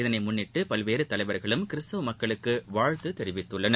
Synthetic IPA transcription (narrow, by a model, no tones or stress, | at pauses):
ɪðɐnɐɪmʊnːɪʈːɯpɐlʋeːɾɯt̪ɐlɐɪʋɐɾɣɐɭɯmkɪɾɪst̪ɐʋɯmɐkːɐɭɯkːɯʋaːɻt̪ɯt̪ɛɾɪʋɪt̪ːɯɭːɐnɐ